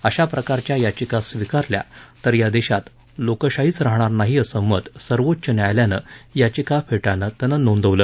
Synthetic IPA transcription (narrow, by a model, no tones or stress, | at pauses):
əɕapɾəkaɾt͡ɕjajat͡ɕikasʋikaɾlja̰t̪əɾjad̪eɕat̪ | lokəɕaɦiːt͡sɾaɦɽ̃aɾnaɦiəsəmət̪səɾʋotːɕənjajljanəjat͡ɕikafʰeʈanət̪ənənond̪əʋləː